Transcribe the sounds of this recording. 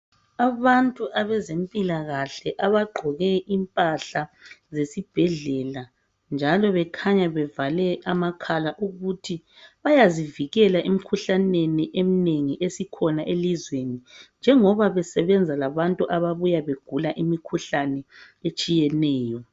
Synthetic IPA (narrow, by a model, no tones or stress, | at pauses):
aβantʼuʔaβɛzempʼilaɣaɬɛʔaβaɡ͡ǃʱɔɣɛʔimpʼaɬazesib̥ʱɛɮɛla | nd͡ʒʱalɔβɛkʰaɲaβɛvalɛamakʰalaʔuɣutʰi | βajaziviɣɛlaʔim̩kʰuɬaneniʔem̩neŋiʔesikʰɔnaʔelizwenind͡ʒʱɛŋɔβaβɛsɛβɛnd͡zʱalaβantʼuʔaβaβujaβeɡ̥ʱulaʔimikʰuɬanɛ | et͡ʃʼijɛnɛːjɔ